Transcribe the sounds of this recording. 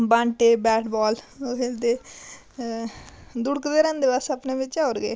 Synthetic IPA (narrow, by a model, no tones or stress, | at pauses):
bãːɳʈeːbɛːʈbɔːloɦeːld̪eː | d̪ʊɽkd̪eːɾɛ̃ːnd̪eːʋasapneːbɪt͡ʃt͡ʃaoːɾɡeː